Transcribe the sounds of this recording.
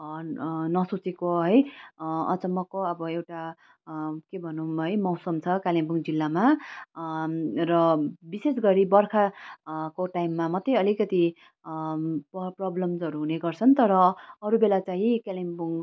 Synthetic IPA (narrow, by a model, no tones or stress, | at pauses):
nʌsut͡sekoɦʌjʌ̰t͡sʌmʌkoʌbʌewʈa | kebʱʌnuɦʌjmawsʌmt͡sʰʌkalimbuŋd͡zilːama | rʌbisesɡʌɾibʌrkʰakoʈajmːamʌt̪ʌjʌlikʌt̪i | pprʌblʌmzʌɾuɦuneɡʌrt͡sʰʌnt̪ʌɾʌʌɾubelat͡saɦĩkalimbuŋ